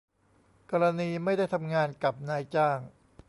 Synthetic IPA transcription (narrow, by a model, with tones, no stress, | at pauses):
kɔː˧ɾa˧niː˧ma˥˩jda˥˩jt̪ʰa˧mŋaː˧nka˨˩p̚naː˧jt͡ɕaː˥˩ŋ